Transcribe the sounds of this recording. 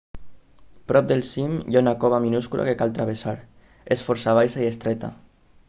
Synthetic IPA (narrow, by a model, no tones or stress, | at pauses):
pɾɔp̚d̪elsimjaunakɔβaminuskula̰kekalt̪ɾaβ̞esaɾ | esfɔɾsaβ̞ajsaiest̪ɾɛt̪a̰